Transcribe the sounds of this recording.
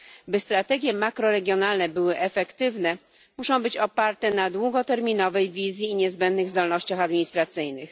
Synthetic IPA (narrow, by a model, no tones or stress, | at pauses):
bɘst̪ɾat̪ɛɡʲjɛmakɾɔɾɛɡʲjɔnalnɛbɘwɘʔɛfɛkt̪ɘvnɛ | muʂɔ̃w̃bɘt͡ɕɔpaɾt̪ɛnad̪wuɡɔt̪ɛɾmʲinɔvɛjvʲizʲjiːɲɛzbɛnd̪nɘɣzd̪ɔlnɔɕt͡ɕaxad̪mʲiɲist̪ɾat̪sɘjnɘx